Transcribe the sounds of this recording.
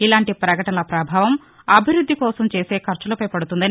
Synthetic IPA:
ilaːɳʈipɾɐkɐʈɐnɐlɐpɾɐbʱaːʋɐm | ɐbʱiɾud̪ʱːikɔːsɐmt͡ʃe̞ːse̞ːkʰɐɾt͡ʃɐlɐpɐjpɐɽut̪und̪ɐn

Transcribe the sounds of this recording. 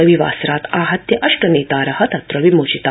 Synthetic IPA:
əʋiʋa̰sɾat̪aɦɐt̪jɐʔɐʃʈənet̪aɾɐhɐt̪at̪ɾəʋimoɕit̪a

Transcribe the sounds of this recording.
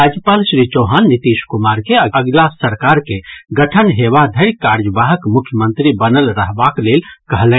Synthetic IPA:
ɾad͡ʒjəpalsɾit͡ʃoɦanːit̪iskumaɾkeəəɡlasəɾkaɾkeɡəʈʰənɦebad̪ʱəɾkaɾd͡ʒəbaɦəkmukʰjəmənt̪ɾibənəlɾəɦbaklelkəɦlɛ̃

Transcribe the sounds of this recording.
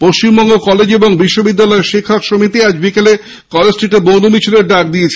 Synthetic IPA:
poʃt͡ɕimbɔŋɡokɔled͡ʑeboŋbiʃːobid̪ːalɔeɾʃekʰakʃomit̪iad͡ʑbikele | kɔlesʈɾiʈebonumit͡ɕʰileɾɖak̚d̪iet͡ɕʰ

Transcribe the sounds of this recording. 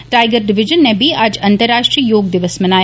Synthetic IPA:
ʈaːɪɡəɾɖɪʋɪd͡ʒənːebʱiad͡ʒɐ̃nt̪əɾːaːʃʈɾiːjoːɡd̪ɪʋəsmɐnaː

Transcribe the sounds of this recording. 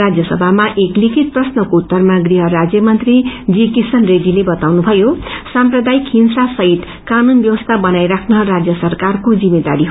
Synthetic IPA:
ad͡zjʌsʌbʱamaʔeklikʰit̪̚prʌsnʌkout̪ːʌrmaɡriɦʌɾad͡zjʌmʌnt̪rid͡zikisʌnredilebʌt̪awnubʱʌjosamprʌd̪ajikʰinsasʌɦit̪ | kanunbjʌwʌst̪ʰabʌnajɾakʰnʌɦrad͡zjʌsʌrkarkod͡zimed̪a̰ɾiɦ

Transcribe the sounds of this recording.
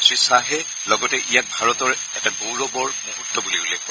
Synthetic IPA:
sisaɦɛ | lɔɡɔtɛʔijak̚bʱaɹɔtɔɹ | ɛtabowɹɔbɔɹmuɦutːɔbulibulɛ

